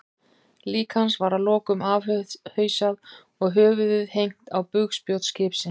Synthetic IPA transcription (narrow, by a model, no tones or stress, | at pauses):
liːkansvaɾalɔːkʏmavhœːɥsað | ɔɣɦœːvʏðʏðhejŋ̥t̪awpʏɣspjowt̪scɪːpsɪn